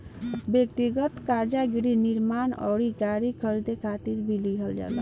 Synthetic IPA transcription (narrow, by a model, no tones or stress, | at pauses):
bjək̚t̪iɡət̪kaɾd͡ʒaɡɾiniɾmanɔ̰ɽikaɾikʰəɾid̪ekʰat̪iɾbʱiliɦəld͡ʒa̰la